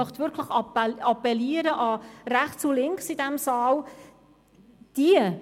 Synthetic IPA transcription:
œχt̪vʏɾkʰləχɑɑpɛliːəɾəʔɑræχt͡sulɪŋksidɛmsɑːl | d̥iə

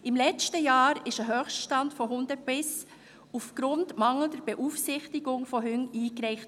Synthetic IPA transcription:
ɪmlɛt͡stəjɑːɾɪʃəɦøːχsʃtɑntfɔɦʊnd̥əpɪs | ufɡ̥ɾʊntmɑŋl̩dəɾb̥ɛʔuːfsɪχtɪɡʊŋfɔɦʏŋiːkɾɛɪχt

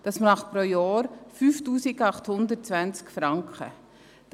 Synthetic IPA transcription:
d̥ɑsmnɑχpɾojɑːɾfyːftuːsikɑχthʊnd̪ət̚t͡svænt͡skfɾɑŋkχə̰ | d̥

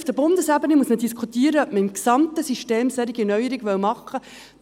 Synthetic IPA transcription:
fd̥̪əbʊnd̪əsæbənimusmədiskʰχut̪iːəɾəœp̚məimksɑmt̪əsiʃteːmsɛɾiɡinœɥəɾiɡʋœwmɑχːə

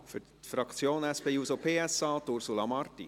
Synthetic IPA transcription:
fʏ | fɾɑkt͡sjoːnɛspeːjuːsopʰeːɛsɑːt̪ʊɾsulɑmɑrt̪ḭ

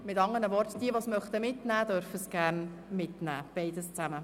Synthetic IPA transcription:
mɪtɑŋənəʋɔɾtd̥iəʋosmœχt̪əmɪtnæːd̪œɾfəsɡ̥æɾn | mɪtnæ̰ːb̥ɛɪdəst͡sæmə

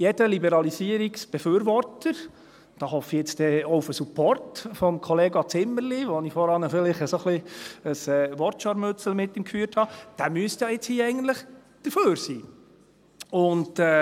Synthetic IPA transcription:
jɛd̥əlibəɾɑlisiːəɾiksb̥ɛfyːɾʋɔrtəɾ | d̥ɑːɦɔfijɛt͡st̪ɛoufəsupɔrtfɔmkʰɔleːɡɑt͡sɪmːəɾliʋɔnifɔɾɑnəfɪlɪχəsoχliəsɛːʋɔɾtʃɑɾmɵt͡səl̩mɪtːimkfyːrthɑd̥æmyəstjɑɪt͡shiːɛɪɡən̩t̪ləχ | d̥əɾføːɾsiː | ʊndɛː

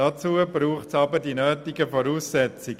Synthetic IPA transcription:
at͡suəbɾuːχtsɑbədinøːtɪɡəfɔɾuːsːɛt͡sɪɡ

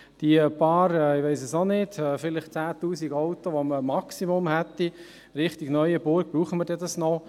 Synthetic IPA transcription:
d̥iəpɑːɾɛɪʋeɪsəsonɪdɛːfɪlɪχt͡sæːt̪uːsiɡɔʊt̪oʋoməmɑksimʊmhɛt̪ːi | ɾɪχt̪iɡnœʏəbʊɾɡ̚b̥ɾuːχəməɾdɛdɑsnɔ

